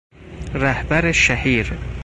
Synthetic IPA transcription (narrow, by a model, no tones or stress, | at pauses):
ɾæhbæɾeʃæhiːɾ